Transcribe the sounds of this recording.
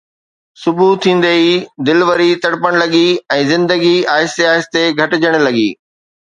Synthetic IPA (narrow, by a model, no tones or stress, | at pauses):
sʊbut̪ʰːĩːn̆d̪əid̪ɪlʋəɾit̪ɐɽpəɽ̃lɐɠiɛ̃ːzɪ̃nd̪əɡiaːɦɪst̪eaːɦɪst̪eɡʱɐʈɪd͡ʑʱəɽ̃̆lɐɠḭː